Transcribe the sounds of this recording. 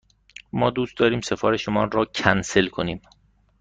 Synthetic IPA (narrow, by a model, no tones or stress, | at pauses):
mɒːd̪uːst̪̚d̪ɒːɾiːmse̞fɒːɾeʃomɒːnrɔːcʰænse̞lkʰo̞niːm